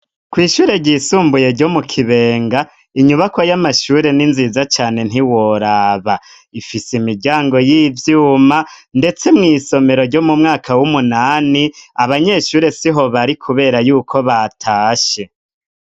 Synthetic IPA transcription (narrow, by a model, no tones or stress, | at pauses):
kwiːʃuːɾe̞ɟiːsuːmbuje̞ɾɟo̞mukʰiβe̞ːŋɡa | iɲuβakwojamaʃuːɾe̞ninzizat͡ʃaːne̞n̥iwo̞ɾaːβa | ifisimiɾɟaːŋɡo̞jiːvjuːmande̞t͡se̞mŋiːso̞me̞ɾo̞ɾɟo̞mumŋaːkʰawumunaːniaβaɲe̞ːʃuːɾe̞siɦo̞βaɾikʰuβe̞ːɾajuːkʰo̞βatʰaːʃe̞